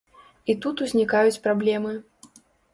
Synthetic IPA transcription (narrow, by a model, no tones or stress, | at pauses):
it̪ut̪uzʲnʲikajut͡sʲpɾablʲɛmɨ